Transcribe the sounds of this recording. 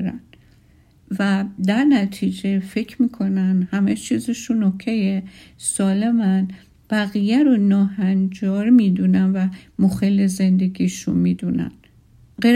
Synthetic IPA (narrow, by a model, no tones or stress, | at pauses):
ɾæn | væd̪æɾnæt̪ʰid͡ʒefecʰmiːkʰo̞nænd̪hæmet͡ʃʰiːzeʃunːokʰːejesɒːle̞mæn | b̥æɣijæɾonɒːhænd͡ʒɒːɾmid̪unænvæmoxeleze̞nd̪e̞ɡiːʃṵnmiːd̪unæ̰n | ɢe